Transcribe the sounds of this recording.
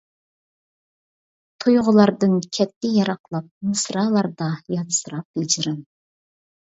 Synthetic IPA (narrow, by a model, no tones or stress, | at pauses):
t̪ʰujʁʊlˠɑɾd̪ɨnkʲʰɛt̪ːɪjɑɾɑqlˠɑp̚mɨsɾɑlˠɑɾd̪ɑjɑt̪sɨɾɑp̚b̥ɪd͡ʒɪɾɪn